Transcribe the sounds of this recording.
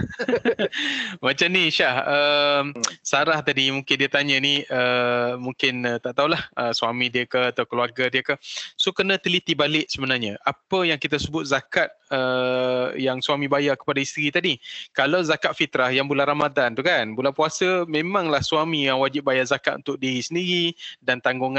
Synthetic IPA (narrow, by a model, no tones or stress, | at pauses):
mat͡ʃamniʃahəmsaɾaht̪adimuŋkɪndiət̪aɲəniəmuŋkɪnət̪aʔt̪aulahəsuamĩdiəkəat̪aukəluarɡadiəkəsokənə̃t̪əlit̪ibalɪʔsəbənarɲaʔapəjaŋkit̪asəbʊt̪̚zakat̪̚ə | jaŋsuamĩbajakə̥padaist̪ɾit̪adikalawzakaʔ̪̚fit̪ɾahjaŋbulanramad̪ant̪ukanbulanpuasəmẽmãŋlahsuamijaŋwad͡ʒɪp̚bajazakat̪unt̪ʊk̚diɾisəndiɾidant̪aŋɡuŋ